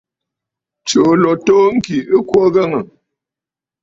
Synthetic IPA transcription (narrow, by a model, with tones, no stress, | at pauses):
t͡ʃo˨lɔ˨toː˦ŋ̩˦ki˨ɨ˦kwɔ˦ɣə˦ŋə˨